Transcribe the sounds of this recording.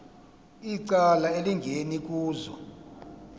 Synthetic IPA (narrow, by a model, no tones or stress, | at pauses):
iǀalaeliŋɡʱenik̬ʼuːzɔ